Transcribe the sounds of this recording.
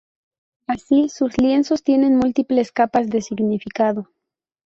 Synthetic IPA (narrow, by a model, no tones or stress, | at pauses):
asisuslje̞nso̞st̪je̞nenmult̪iple̞skapazðe̞siɣnifikaðo